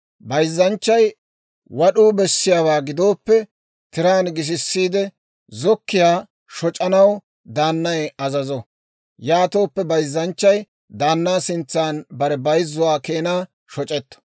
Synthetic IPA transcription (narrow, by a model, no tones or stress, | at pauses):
bɐjzːɐnt͡ʃːɐj | wɐɗuːbɛsːɪjaːwaːɡɪd̪o̞ːpːɛ | t̪ɪɾaːnɡɪʃ̬ɪsːiːd̪ɛ | zɔkːɪjaː | ʃɔt͡ʃʼɐnɐw | d̪aːnːɐjɐzɐzɔ | jaːt̪o̞ːpːɛbɐjzːɐnt͡ʃːɐj | d̪aːnːaːsɪnt͡sːaːnbɐɾɛbɐjzːʊwaːke̞ːnaː | ʃɔt͡ʃʼɛt̪ːɔ̥